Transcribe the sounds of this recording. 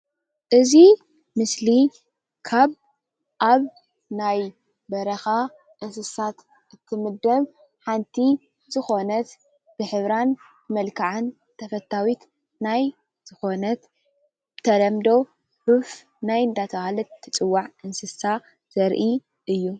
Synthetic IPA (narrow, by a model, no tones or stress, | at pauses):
ʔɨzi | mɨsli | kʰaβ | ʔaβ | naj | bɐɾɐxa | ʔɨnsɨsat̪ | ʔɨt̪ʰːɨmɨd̪ɐβ | ħant̪ʰi | zɨxo̞nɐt̪ | b̥ɨħɨβɾan | mɐlkʰaʕɨn | t̪ʰɐfɐt̪ʰːawit̪ | naj | z̥ɨxo̞nɐt̪ | t̪ʰɐlɐmd̪o̞ | ħuf | najɨnd̪at̪ʰɐhalɐt̪ʰːɨt͡sʼɨwːaʕʔɨnsɨsa | z̥ɐɾʔi | ʔɨjːu